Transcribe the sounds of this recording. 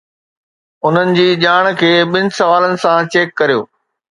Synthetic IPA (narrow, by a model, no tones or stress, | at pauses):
ʊn̤ənɪ̆d͡ʑiːʄaːɽ̃kʰeːɓɪnɪ̆sɐʋaːlənɪ̆sãt͡ɕeːkːɐɾijo̰ː